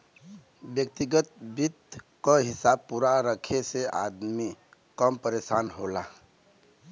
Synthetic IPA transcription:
bjək̚t̪iɡət̪̚bit̪ | kəɦɪsaːb̚puɾaɾəkʰeseʔa̰ːd̪mi | kəmpəɾeːʃaːnɦola

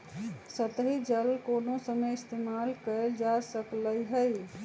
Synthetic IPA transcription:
sət̪ɦid͡ʒəlkonosəməɪst̪emalkəld͡ʒasəkləjɦəj

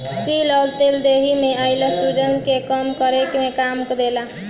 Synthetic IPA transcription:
kiləlt̪eld̪eɦimeəjləsuɖənkekəmkəɾekmekamkd̪ela

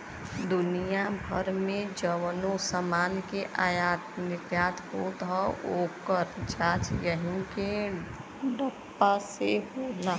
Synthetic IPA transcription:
d̪ʊnijabʱəɾmẽd͡ʒəʋnosəmaːnkeʔajat̪nɪkjaːt̪ɦoːt̪ɦɔokəɾd͡ʒaːt͡ʃjəɦĩke | ɖəpːaseɦolaː

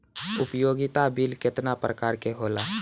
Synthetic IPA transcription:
ʊpjoːɡɪt̪abilkɪt̪napɾəkaːɾkeɦoːlaː

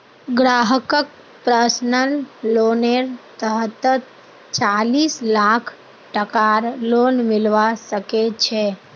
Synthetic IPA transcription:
ɡɾaɦəkək̚ | pɾəsnəlːoneɾt̪əɦt̪ət̪ | t͡ʃaliːslakʰ | ʈəkaɾlonmɪlʋasəket͡ʃʰɛ

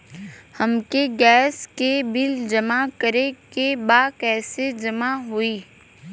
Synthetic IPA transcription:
hɐmkeɡɛːskebɪld͡ʒɐmakəɾekebaːkɛːsed͡ʒɐmaɦuiː

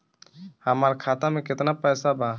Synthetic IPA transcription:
həmaɾkʰat̪amẽket̪napəjsaba

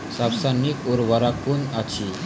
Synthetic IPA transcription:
sawsanikoɾʋaɾakunat͡ɕʰi

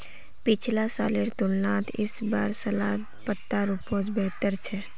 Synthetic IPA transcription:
pɪt͡ʃʰlasa̰ːleɾt̪ulnat̪ʰɪsbaɾsəlad̪ | pət̪ːaɾupõd͡ʒbɛɦt̪əɾt͡ʃʰɛ

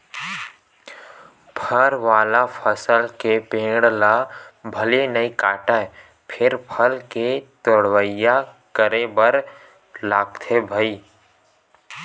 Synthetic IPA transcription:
bʰʱəɾʋaːlapʰəsəlkepẽːɽlabʱəlenəikaːʈaɛ | pʰɪɾpʰəlket̪oɽwəjːa | kəɾebəɾ | laːɡ̚t̪ʰebʱəiː

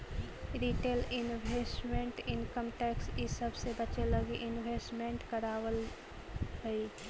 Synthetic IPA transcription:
ɾiːʈeːlɪnbesʈmẽɳʈɪnkəmʈɛːksisəbsebət͡ʃeləɡiʔɪnweːsʈmẽɳʈkəɾaːʋəl | ɦəi

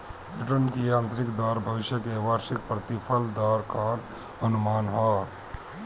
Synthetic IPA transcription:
bɾɪʈənkiãːnt̪ɾɪkd̪ɔːɾbʱəʋɪʃjəkeʋaːɾʃɪk̚pɾət̪ɪpʰəld̪ɔːɾkaːn | ənʊmaːnɦɔː

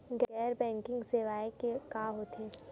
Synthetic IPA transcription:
ɡɡɛːɾbɛ̃ːŋkɪ̃ŋɡseːʋaːekekaːɦoːt̪eː

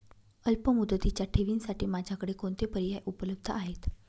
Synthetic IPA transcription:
əlpəmud̪ːət̪it͡ɕjaʈʰeʋiːnsaʈiːmad͡ʑʱakəɽekoɳt̪epəɾijajʔupələb̚d̪ʱəaɦet̪

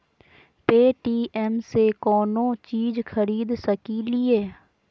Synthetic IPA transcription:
peːʈiːʔɛmsekɔːnõːt͡ʃiːd͡ʒxʰəɾiːd̪səkilɪeː

